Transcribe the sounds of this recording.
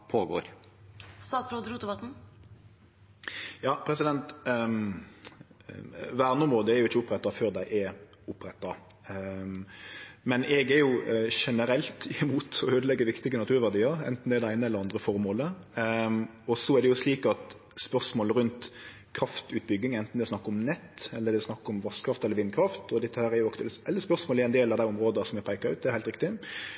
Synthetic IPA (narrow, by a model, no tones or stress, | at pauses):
pʰoːɡo̰ːɾ | st̪ɑːt̪sɾoːd̪ɾuːt̪əʋɑt̪n̩ | jɑːpʰɾɛsɪd̪ɛnt̪ | ʋæːʁnəʊmʁoːd̪əɛɾjʊɪçːəʊpːɾɛt̪ːɑføːɾd̪æɪʔɛɾ | ʊpɾɛt̪ːɑ | mɛnɛɡɛɾjʊʂɛnəɾɛlt̪ʰɪɪmuːt̪ɔøːd̪əlɛɡːəʋɪkt̪ɪɡənɑt̪ʰʉːɾʋæʁd̪iːəɾɛ̰nt̪n̩d̪ɛɾd̪ɛæɪnəɛlːəɾɑnd̪ɾəfɔɾmoːlə | ɔsɔæɾd̪ɛjʊsliːkɑt̪ | spœʁsmoːləɾʉnt̪ | kʰɾɑft̪ʉːt̪̚bʏɡːɪŋɛnt̪n̩d̪ɛsnɑkːəɔmnɛt̪ːɛlːəɾd̪ɛsnɑkːɔmʋɑskʰɾɑft̪ɛlːəɾʋɪnkʰɾɑft̪ɔd̪ɛt̪ːəhæːɾæɾjʊɑkt̪ɛlɛlːəspœʁʂmoːlɛɾæɪnd̪eːlɑʋd̪æɪʊmɾoːd̪əsɔmɛɡ̚pʰæɪkəɾʉ̰t̪̚d̪ɛɾhæɪt̪ɾɪk̚t̪ɪ